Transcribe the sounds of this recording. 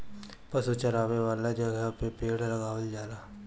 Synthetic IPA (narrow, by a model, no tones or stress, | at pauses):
pɐsut͡ʃɐɾaːʋeʋaːlad͡ʒɐɡəpepeːɽlɐɡaːʋəld͡ʒaːɾaː